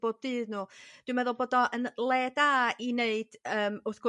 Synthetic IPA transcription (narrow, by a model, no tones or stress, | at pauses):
b̥oːd̚dɨːðnuːd̥wɨmɛðʊlˠboːdɔʔənlˠɛdaineɨd̥əːmʊθɡ̥ʊ